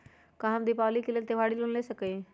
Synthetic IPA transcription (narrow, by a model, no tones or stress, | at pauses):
kãɦəmd̪iːpaːliːkelet̪eʋʱaːɽilʊnleːsəkei